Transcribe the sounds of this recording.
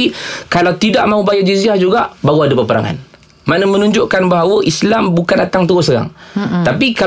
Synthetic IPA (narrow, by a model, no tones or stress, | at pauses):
ikalawt̪idaʔmãɦubajad͡ʒiziahd͡ʒuɡaʔbaɦɣuadapəpəɾa̰ŋa̰n | manəmə̃nũɲd͡ʒʊʔkanbaɦawəʔislambukandat̪aŋt̪uɣʊsəɾa̰ŋt̪apika